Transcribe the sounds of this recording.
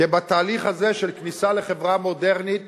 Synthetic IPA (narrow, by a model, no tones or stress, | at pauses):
ebat̪aːliχhazeʃelknisaleχevʁamo̞deʁnit̪̚